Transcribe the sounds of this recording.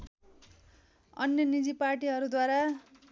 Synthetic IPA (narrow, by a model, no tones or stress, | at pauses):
ʌ̰njʌnid͡ziparʈiɦʌɾud̪waɾa